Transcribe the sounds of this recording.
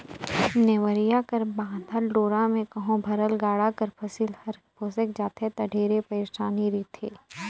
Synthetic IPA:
neʋəɾijakɐɾbãːd̪ʱəɾɖoːɾamẽkɐɦõbʱɐɾəlɡaːɽakɐɾpʰɐsilɐɾpoːsəkd͡ʒaːt̪ʰet̪ɐɖʱeːɾepɐɾeʃaːniɾiːt̪ʰeː

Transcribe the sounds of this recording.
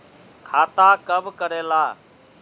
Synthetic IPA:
kʰaːt̪aːkəbkəɾeːlaː

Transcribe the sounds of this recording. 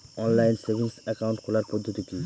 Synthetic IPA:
ɔnlajnsebʱinsɛkaunʈkʰolaɾpɔd̪ʱːot̪it̪i

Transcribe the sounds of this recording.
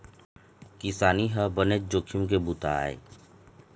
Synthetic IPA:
kɪsaːniɦəbəned͡ʒoːkʰijũk̬ebut̪a̰ḛ

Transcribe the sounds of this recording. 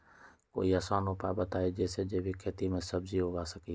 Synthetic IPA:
ko̰ːiːəsãːnõːpaːbət̪aːɦeːd͡ʒeːseːd͡ʒeːbʱiːkʰeːt̪iːmẽːsəbziːɦoɡaːsəkiː

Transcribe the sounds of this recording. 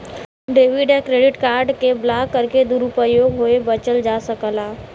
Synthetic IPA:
ɖeːʋiɖɛ̃kɾeːɖɪʈkaːɾɖkeblaːkkːəɾked̪uɾupəjoːɡɦoebət͡ʃəld͡ʒaːsəkəlaː

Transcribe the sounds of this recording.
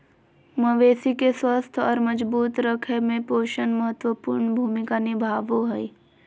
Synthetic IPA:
məʋeːsikeswəst̪ʰɔːɾməd͡ʒbuːt̪ɾəkʰemẽpoːʃənməɦət̪wəpuːɾɳbʱuːmɪkanɪbʱaːʋoɦɛi

